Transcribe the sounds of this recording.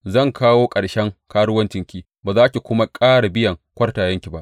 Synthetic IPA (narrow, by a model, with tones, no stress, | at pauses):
zɐ˦˨ŋkaː˦woː˦kʼɐ˨ɽʃɛ˦ŋkaː˦ɽʊ˦wɐ˦nt͡ʃɪ˨ŋkʲiː˦ | baː˨zaː˦kʲi˨kʷʊ˦ma˦kʼaː˦ɽa˨bɪ˦jɐ˨ŋkʷɐ˦rtaː˨jɐ˦ŋkʲi˨ba˦ʔ